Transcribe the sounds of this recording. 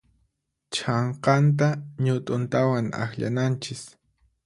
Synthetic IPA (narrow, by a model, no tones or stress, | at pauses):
t͡ʃɑɴqɑnt̪̬aɲʊt̪ʼʊnt̪awaŋa̰xʎa̰nant͡ʃɪs